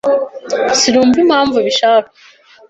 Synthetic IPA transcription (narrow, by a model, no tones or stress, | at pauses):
siɾuːmvim̥haːɱvuβiʃaːka